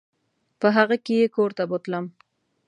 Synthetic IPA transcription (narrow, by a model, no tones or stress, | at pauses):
pəɦaɣəkejekoɾt̪abot̪ləm